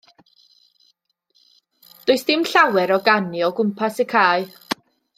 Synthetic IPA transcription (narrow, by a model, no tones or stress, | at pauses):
d̥ʊɨsd̥ɪmɬawɛɾɔɡanɨɔɡʊmpʰasəkʰaːɨ